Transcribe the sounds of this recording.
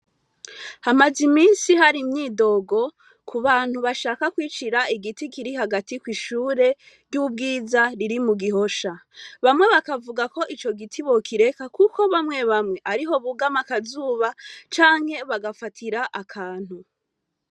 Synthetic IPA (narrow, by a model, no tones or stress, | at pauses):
hamazimiːnsihaɾimɲiːdo̞ːɡo̞ | kʰuβaːn̥huβaʃaːkakwiːt͡ʃiɾaiɡitikiɾiɦaɡatikwiʃuːɾe̞ | ɾɟub̚ɡiːzaɾiɾimuɡiɦo̞ʃaβamŋe̞βakavuɡako̞ʔit͡ʃo̞ɡitʰiβo̞kʰiɾe̞kakuko̞βamŋe̞βamŋe̞ʔaɾiɦo̞βuɡamakazuːβat͡ʃaːŋ̥he̞βaɡafatʰiɾaʔakʰaːn̥hu